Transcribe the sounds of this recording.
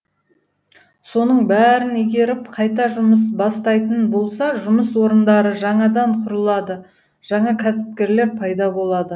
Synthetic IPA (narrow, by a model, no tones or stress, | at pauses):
so̞nəɴbæɾɪneɡʲe̞ɾɪpqʰɑjt̪ɑʒʊməsbɑst̪ɑjt̪ənbo̞lˠsɑʒʊməswo̞ɾənd̪ɑɾəʒɑɴɑd̪ɑɴqʰʊɾəlˠɑd̪ə | ʒ̥ɑɴɑkʲʰæsɪ̥p̚kʲe̞ɾleɾpʰɑjd̪ɑbo̞lˠɑd̪ə